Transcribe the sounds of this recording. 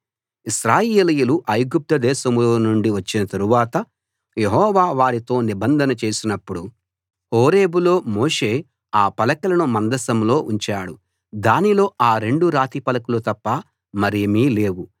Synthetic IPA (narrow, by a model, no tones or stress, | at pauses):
iʃɾaːjeeːlijuluʔɐjɡup̚t̪ɐd̪ɛːʃɐmloːnuɳɖiʋɐt͡ʃːinɐt̪ɐɾuʋaːt̪ɐ | je̞ɦɔːʋaːʋaːɽit̪o̞ːnibɐnd̪ʱɐnɐt͡ʃe̞ːsinɐpːuɽu | oːɾeːbulo̞ːmoːʂe̞ː | aːpɐlɐkɐlɐnumɐnd̪ɐsɐmlo̞ːʔuɲt͡ʃaːɽu | d̪aːnilo̞ːaːɾe̞ɳɖuɾaːt̪ipɐlɐkulut̪ɐpːɐ | mɐɾijɐmiːle̞ːwu